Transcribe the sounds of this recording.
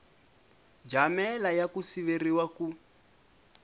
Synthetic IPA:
d͡ʒamɛlajakusiβeriwaku

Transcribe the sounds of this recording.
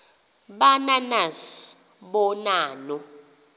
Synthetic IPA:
ɓananas | ɓɔnaːnɔ

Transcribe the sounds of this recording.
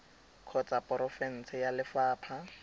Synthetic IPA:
kʰɔt͡sʼapʼɔɾɔfɛn̩sɪjalɪfaːpʰa

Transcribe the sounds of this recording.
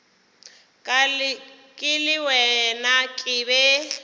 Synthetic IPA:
kʼa | kʼɪlɪwɛnakʼɪːbɛ

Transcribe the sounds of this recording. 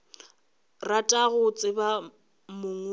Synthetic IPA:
ratʼaɣʊt͡sʼɪba | mʊŋ

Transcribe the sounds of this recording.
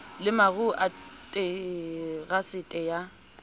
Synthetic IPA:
lɪmaɣuʔatʼe | ɣasɪtʼɛja

